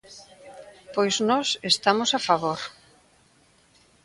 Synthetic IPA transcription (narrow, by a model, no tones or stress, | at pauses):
pojznɔsest̪amosafaβoɾ